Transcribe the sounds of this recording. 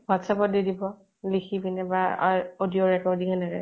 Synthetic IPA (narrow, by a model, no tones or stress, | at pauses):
bwatsapɔt̚didibɔ | lixibinɛba̰odioɹɛkɔɹdikanɛɹɛ̰